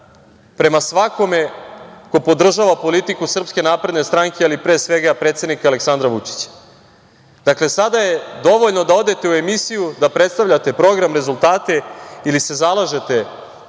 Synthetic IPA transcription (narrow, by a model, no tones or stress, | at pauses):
pɾe̞masʋako̞me̞ko̞po̞d̪r̩ʒaʋapo̞lit̪ikusr̩pske̞naːpɾe̞d̪ne̞st̪ɾaŋkealipɾesʋe̞ɡapɾet̪se̞d̪nikaleksand̪ɾaʋut͡ʂi̥t͡ɕḁ | d̪̥akle̞sad̪aje̞d̪o̞ʋo̞ʎnod̪ao̞d̪e̞t̪e̞ue̞misijud̪apɾet̪st̪aʋvʎat̪e̞pɾo̞ɡɾamɾe̞zulˠt̪aːt̪e̞ilise̞zalˠaʒe̞t̪e̞